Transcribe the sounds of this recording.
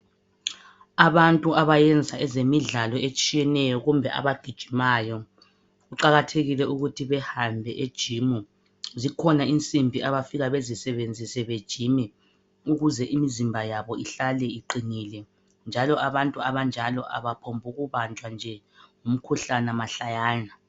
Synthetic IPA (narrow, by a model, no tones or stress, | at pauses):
aβantʼuaβajɛnd͡zʱaɛzemiɮalɔet͡ʃʼijɛnɛjɔɣumbʱɛʔa̰βaɡ̥ʱid̥ʒ̥ʱimaːjɔ | ɣuǃaɣatʰeɣilɛuɣutʰiβɛhambʱɛʔed̥ʒ̥ʱimu | zikʰɔnaint͡sʼimbʱiaβafiɣaβezisɛβend͡zʱisɛβed̥ʒ̥ʱimɛ | uɣuzɛʔimizimbʱajaβɔiɬalɛiǃiniːlɛ | nd͡ʒʱalɔʔaβantʼuaβand͡ʒʱalɔʔa̰βapʰombʱuɣuβant͡ʃʼwand͡ʒʱɛ | ŋum̩kʰuɬanamaɬajaːna